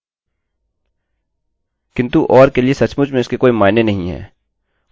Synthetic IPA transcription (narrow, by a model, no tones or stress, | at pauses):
kɪ̃nt̪uʔɔːɾkeliesɐt͡ʃmʊd͡ʒmẽʊskekoːimaːɪnenɐɦĩɦɛ̰ː